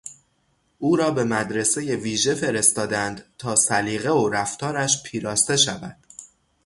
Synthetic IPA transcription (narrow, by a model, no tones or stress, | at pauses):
ʔuːɾɒːbe̞mæd̪ɾe̞se̞je̞viːʒe̞fe̞ɾe̞st̪ɒːd̪ænd̪̥t̪ʰɒːsæliːɣe̞oɾæft̪ʰɒːɾæʃpʰiːɾɒːst̪e̞ʃævæ̰d̪̥